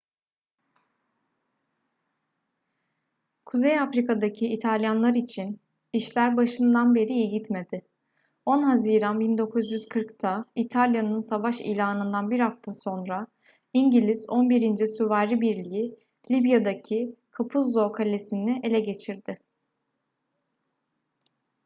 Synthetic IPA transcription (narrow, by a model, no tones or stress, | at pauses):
kʰuzejafɾikad̪acʰiːt̪ʰalʲjanlˠaɾit͡ʃʰin | iʃlʲæɾbaʃɯnd̪anbe̞ɾijiɟit̪me̞d̪ɪ | o̞nɦaziːɾanbind̪o̞kʰuzjyz̥kʰɯɾkt̪ʰait̪ʰalʲjanɯnsavaʃḭjlʲaːnɯnd̪anbiɾhaft̪ʰaso̞nɾa | iɲɟilʲizo̞nbiɾind͡ʒɛsuvaɾibiɾlʲiji | lʲibjad̪acʰikʰapʰuzːo̞kʰalʲesinɪʔe̞lʲɛɟe̞t͡ʃʰiɾd̪ɪ